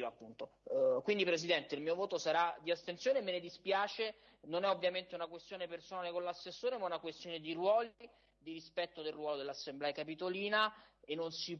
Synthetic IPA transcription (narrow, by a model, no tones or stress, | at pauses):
loapːunt̪okwind̪ipɾezid̪ɛnt̪eilmiːovoːt̪osaɾad̪iast̪entsjoːnemːened̪ispjaːt͡ʃe | nonɛovːjament̪eunakwest̪joːnepersonaːlekonlasːesːoːɾemaunakwest̪joːned̪irwɔːl | d̪iɾispɛt̪ːod̪elrwɔːlod̪elːasːemblɛːakapit̪oliːnaenːonsi